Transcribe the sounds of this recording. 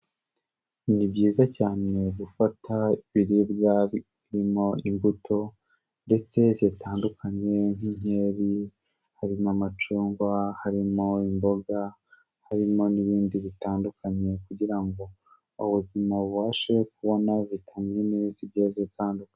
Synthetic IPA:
imibɟiːzacaːne̞ɡufatʰaiβiɾibɡa | ɾimo̞iŋɡutʰo̞ | nde̞t͡se̞zeːtaːndukʰaɲe̞n̥ine̞ːɾi | haɾinamat͡ʃuːŋɡwahaɾimo̞imbo̞ɡa | haɾimo̞niβiːndiβitaːndukaɲe̞kuɟiɾaŋɡo̞ | uβuzimaβuβaːʃekuβo̞naβitʰamɲimizibɟezeːtaːndukaɲ

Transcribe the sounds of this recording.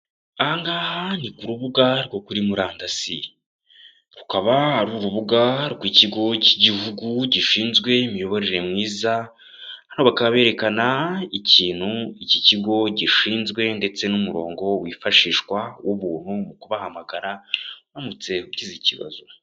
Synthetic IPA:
ahaŋɡaːhanikuɾuβuɡaɾɡo̞kuɾimuɾaːndasi | ɾukaβahaɾuːɾuβuɡaɾɡwiciɡo̞ciɟiɦuɡuɟiʃiːnzɡwe̞imijo̞βo̞ɾe̞ɾe̞mŋiːza | hanhoβakaβaβe̞ɾe̞kanaiciːn̥huiciciɡo̞ɟiʃiːnzɡwe̞nde̞t͡se̞numuɾo̞̰ːŋɡo̞wifaʃiːʃkwawʔuβuːn̥humukuβahamaɡaɾaβamut͡se̞uciziciβa̰zu

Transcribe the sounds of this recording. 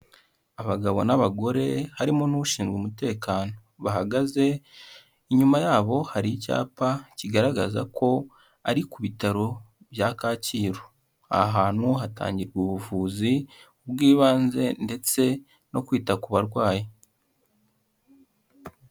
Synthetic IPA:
aβaɡaβo̞̰naβaɡo̞ɾe̞haɾimonuβuʃiːnzɡwumute̞ːkaːno̞βaɦaɡaze̞ | iɲumajaːβo̞haɾica̰ːpaciɡaɾaɡaza̰kʰo̞ | aɾikuβitaɾo | βjakaːciːɾo | a̰ɦaːn̥huɦata̰ːɲɟiɾɡuːβuvuːziubɡiːβaːnze̞nde̞t͡se̞ | no̞kwiːtakuβaɾɡwaːje

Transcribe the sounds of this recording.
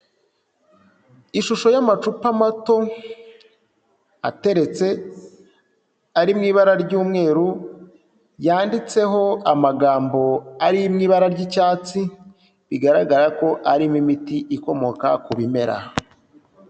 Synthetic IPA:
iʃuʃo̞jamat͡ʃupamato̞ | a̰te̞ɾe̞t͡se̞ | aɾimŋiːβaɾaɾɟuːmŋe̞ːɾu | jaːndit͡se̞ɦo̞amaɡaːmbo̞aɾimŋiːβaɾaɾɟicaːt͡si | βiɡaɾaɡaɾako̞ʔaɾimimitiʔiko̞mo̞kakuβime̞ɾa̰

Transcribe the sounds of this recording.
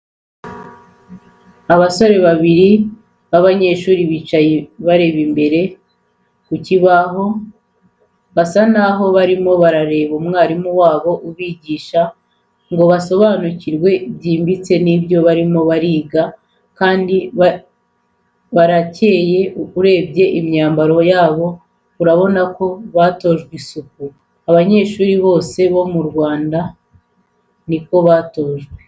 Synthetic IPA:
aβaso̞ɾe̞βaβiɾi | βaβaɲe̞ːʃuːɾiβiːt͡ʃajeβaɾe̞βimbe̞ɾe̞ | kuciβaɦo̞ | βasanaɦo̞βaɾimo̞βaɾaɾe̞ːβumŋaːɾimuwaːβo̞ʔuβiːɟiːʃa | ŋɡo̞βaso̞βanuciɾwe̞βɟiːmbit͡se̞nibjo̞βaɾimo̞βaɾiːɡa | kaːndi | βaɾace̞ːje̞uɾe̞ːbɟe̞ʔimɲaːmbaɾo̞jaːβo̞ | uɾaβo̞nako̞βaːto̞ʒɡwisuk̚u | aβaɲe̞ːʃuːɾiβo̞ːse̞βo̞muɾɡwaːnda | niko̞βaːto̞ːʒɡwe

